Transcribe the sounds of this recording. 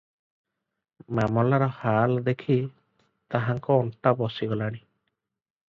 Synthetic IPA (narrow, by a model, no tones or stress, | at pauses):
mamɔlaɾɔhald̪ekʰi | t̪aɦaŋkɔːnʈabɔsiɡɔlaɽ̃i